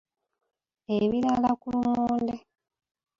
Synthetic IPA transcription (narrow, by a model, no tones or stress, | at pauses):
eβiɾalakulumoːnde